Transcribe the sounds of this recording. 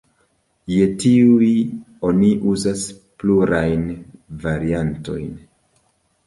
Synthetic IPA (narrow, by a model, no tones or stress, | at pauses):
jetiui | o̞niʔuzas | pluɾajnvaɾianto̞̰jn